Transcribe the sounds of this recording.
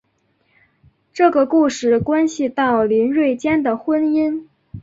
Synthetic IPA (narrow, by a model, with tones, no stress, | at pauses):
ʈ͡ʂɤ˥˩ɡə˩ku˥˧ʂɻ̩˥˩kwa˥nɕi˨t̪ɑ˥˩ʊli˧˥nɻwe˥˩ɪt͡ɕjɛ˥nd̪ə˨˩xwə˥ni˥n